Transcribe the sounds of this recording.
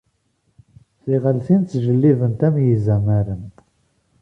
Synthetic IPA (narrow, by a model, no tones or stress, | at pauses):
θiʁəlθint̪t͡sːʒəlːivənt̪æmjizæmæɾən